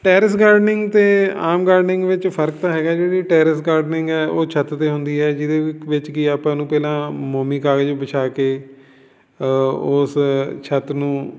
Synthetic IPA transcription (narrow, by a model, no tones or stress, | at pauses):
ʈɛːɾɪsɡaːɾɖnɪŋɡt̪eːaːmɡaːɾɖnɪ̃ŋɡʋɪt͡ʃpʰəɾk̚t̪aːɦɛːɡaːd͡ʒeːɽiːʈɛːɾɪsɡaːɾɖnɪŋɡɛːʔoːt͡ʃʰət̪t̪eːɦʊnd̪iːɛːd͡ʒɪd̪eːʋɪt͡ʃkiaːpãːnũːpɛːlãːmoːmiːkaːɡəd͡ʒbət͡ʃʰaːkeː | ʊːst͡ʃʰət̪nũː